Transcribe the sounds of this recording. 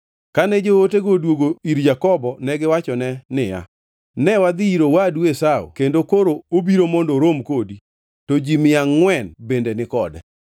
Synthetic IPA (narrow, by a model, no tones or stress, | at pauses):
kanɛd͡ʒooteɡodwoɡoiɾd͡ʒakɔbɔnɛɡɪwat͡ʃɔnɛnɪja̰ | nɛwad̪iiɾowadwesao̰kendokoɾoobiɾomondoɾomkodi | tod͡ʒimɪaŋːwɛnbendenɪkɔdɛ